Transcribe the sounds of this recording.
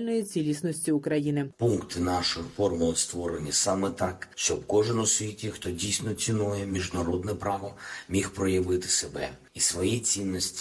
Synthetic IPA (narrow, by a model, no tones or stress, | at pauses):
lʲnɔjit͡sʲilʲisnɔsʲtʲiʊkɾɐjinɪpuŋkt̪ɪnɑʃɔjɔfɔrmʊlˠɔst̪ʋɔɾenʲːɐsɑmɛt̪ɑkʃt͡ʃɔbkɔʒɪnɔsʋʲitʲixt̪ɔdʲijsʲnɔt͡sʲinujɛmʲiʒd̪ɐɾɔd̪nɛpɾɑʋɔmʲixpɾɔjɐʋɪt̪ɪ̥sebɛ̰ | isʋɔjit͡sʲinːɔsʲtʲi̥